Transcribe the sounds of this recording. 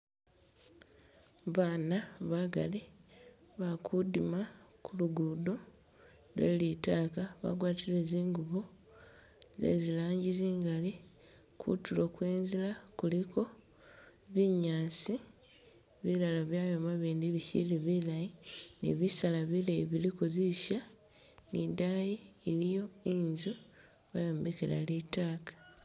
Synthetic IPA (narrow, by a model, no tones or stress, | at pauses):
βaːnaβaɡa̰li | βakʰudimakʰuluɡuːdo | lwḛːlitaːkaβa̰ɡwaːtileziːŋɡuβo | zḛzilaːɲɟiziːŋɡali | kʰṵtulo̞kwe̞ːnzilakuliko̞ | βiɲaːsi | βilalaβjaːjomaβiːndiβicḭliβilajinḭβisalaβilajiβilikoziʃa | nidajiːlijo̞inzu | βajoːmbekeɾa̰litaːkḁ